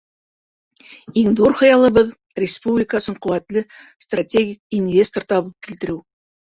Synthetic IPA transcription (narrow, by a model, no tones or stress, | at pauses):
iŋðuɾχɤ̆jɑlˠɤ̆βɤð | rʲɪspublʲɪkasɤ̆ɴqŏwæt̪lɘst̪ratʲeɡʲik̚invʲest̪ort̪ɑβɤp̚kilt̪ɘ̆ɾɘw